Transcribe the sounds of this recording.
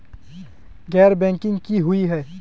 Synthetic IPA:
ɣɛːɾbɛ̃ːŋkɪ̃ŋɡkiɦʊiɦɛː

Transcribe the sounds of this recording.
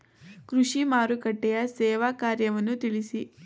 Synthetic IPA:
kɾuʂimaːɾukɐʈːɛjɐsɛːʋaːkaːɾjɐʋɐnːut̪iɭisi

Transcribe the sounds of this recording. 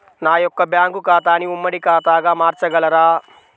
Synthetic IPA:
naːjɔkːɐbjaːŋɡukaːt̪aːniumːɐɽikaːt̪aːɡaːmaːɾt͡ʃɐɡɐlɐɾaː

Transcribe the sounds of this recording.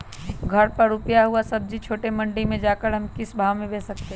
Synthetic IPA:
ɡʱɐɾpɐɾʊpjaɦuasɐb̚d͡ʒit͡ʃʰoːʈemɐ̃ɳɖimẽd͡ʒaːkəɾɦɐmkɪsbʱaːʋmẽbeːsɐk̚t̪eɦ

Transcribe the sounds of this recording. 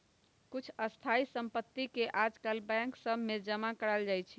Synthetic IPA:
kut͡ʃʰəst̪ʰaisəmpət̪ːikeʔad͡ʒkalbɛ̃ŋksəbʱmed͡ʒəmakəɾəld͡ʒajt͡ʃʰi

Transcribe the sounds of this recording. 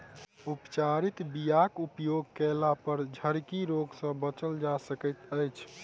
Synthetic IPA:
upt͡ʃaɾit̪bijakupjoɡ̚kɛlapəɾd͡ʒʱəɾkiɾoɡsə̃bət͡ʃəld͡ʒasəkət̪əjt͡ʃʰ

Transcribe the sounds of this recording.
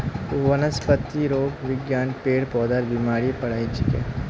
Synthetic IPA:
ʋɐnəspət̪ːiɾoːɡʋɪɡjaːnpeːɽpɔːd̪aːɾbimaːɾipɐɽ̤aːit͡ʃʰɪkḛː

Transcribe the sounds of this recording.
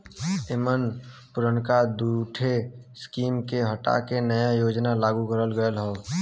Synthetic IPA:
emənpʊɾəɳkad̪uʈʰeskiːmkeɦəʈa̰kenəjajoːd͡ʒnalaːɡukəɾəlɡəjəlɦɔː

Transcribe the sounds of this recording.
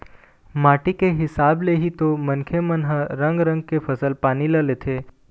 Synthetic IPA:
maːʈikeɦɪsaːbleɦit̪omənkʰemənɦəɾə̃ŋɡɾə̃ŋɡ̚kepʰəsəlpaːniləlet̪ʰe

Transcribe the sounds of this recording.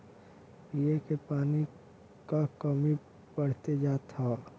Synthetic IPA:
piekepaːni | kakəmi | pəɽ̤t̪ed͡ʒaːt̪ʰaː

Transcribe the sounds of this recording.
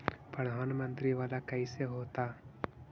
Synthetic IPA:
pɾɐd̪ʱaːnɐmɐnt̪ɾiʋaːlakɐiseɦoːt̪aː

